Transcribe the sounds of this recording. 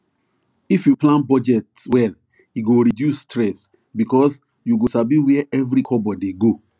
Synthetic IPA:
ifjuplãnbɔd͡ʒɛtswɛl | iɡoɹidjustɹɛs | bikɔs | juɡosabiwiɛʔɛvɾikʰɔbɔdiɡo

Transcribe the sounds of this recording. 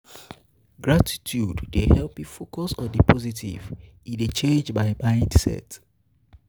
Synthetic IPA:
ɡɹatʰi̥tʰjuddehɛlpifokʰɔsɔ̃ndipʰɔzitʰḭv̥ | ĩndet͡ʃẽnd͡ʒbaɪmãɪ̃ndsɛ̰t

